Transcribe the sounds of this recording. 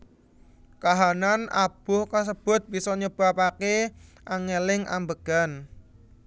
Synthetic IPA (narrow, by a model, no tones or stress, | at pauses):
kaɦanana̰b̥ʊhkas̬əb̥ʊ̤t̪̚b̥isɔɲəb̥a̤pake | ʔaŋelɪŋʔa̰mbəɡ̥a̤n